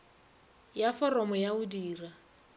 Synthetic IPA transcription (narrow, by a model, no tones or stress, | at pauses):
jafɔrɔmɔjaʊdiːra